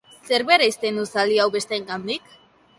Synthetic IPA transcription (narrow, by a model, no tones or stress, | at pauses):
se̞ɾβe̞ɾaist̪end̪usaliawβe̞st̪eːŋɡand̪ik